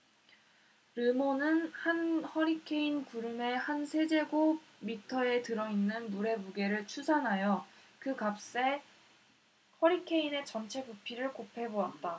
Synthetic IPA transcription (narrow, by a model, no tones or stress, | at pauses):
ɾɯmonɯnhanhʌɾikʰe̞inkuɾɯme̞hansʰe̞d͡ʑe̞ɡo | mitʰʌe̞tɯɾʌinːɯnːuɾe̞muɡe̞ɾɯɭt͡ɕʰusʰanɦajo | kɯkap̚s͈e̞ | hʌɾikʰe̞ine̞t͡ɕʌnt͡ɕʰe̞bupʰiɾɯɭkopʰe̞boat̚t͈a